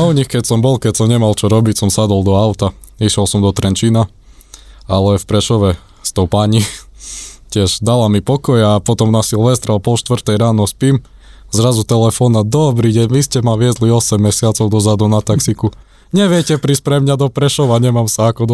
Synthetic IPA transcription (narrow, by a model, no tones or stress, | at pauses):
uɲixkɛcsɔmbɔlkɛcsɔmɲɛmalt͡ʃɔɾɔbicsɔmsad̪ɔlˠd̪ɔaʊt̪aiʃɛlsɔmd̪ɔt̪ɾɛnt͡ʃina | alɛfpɾɛʃɔʋɛ | st̪ɔʊpaɲi | cɪɛʒd̪alamipɔkɔjapɔt̪ɔmnasilʋɛst̪ɾapɔlʃt̪ʋr̩t̪ɛjɾaːnɔspim | zɾazut̪ɛlɛfɔnad̪ɔbɾiɟɛɲʋiscɛmaʋɪɛzliɔsɛmːɛsɪat͡sɔʊd̪ɔzad̪unat̪aksiku | ɲɛʋɪɛcɛpɾiːscpɾɛmɲad̪ɔpɾɛʃɔʋaɲɛmamsaakɔd̪